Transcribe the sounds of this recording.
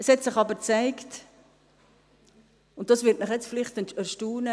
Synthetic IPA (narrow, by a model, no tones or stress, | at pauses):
əshɛtsɪχɑbəɾt͡saɪkt | ʊnt̚d̥ɑsvɪt̚nɪχjɛt͡sfɪlɪχtənəʃtuːnə